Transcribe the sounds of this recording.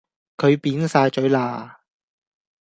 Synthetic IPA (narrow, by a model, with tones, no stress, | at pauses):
kʰɵ˨˧ɥpiː˨˥nsaː˧jt͡ʃɵ˨˥ɥlaː˧